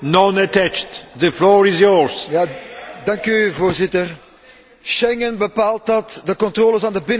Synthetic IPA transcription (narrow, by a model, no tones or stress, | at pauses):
nɔ̃nətæt͡ʃtðəflɔɹizjɔɹzjaːdɑŋkyvoːrzɪtər | ʃɛŋənbəpaːlˠt̚dɑtdəkɔntroːləsaːndəbɪn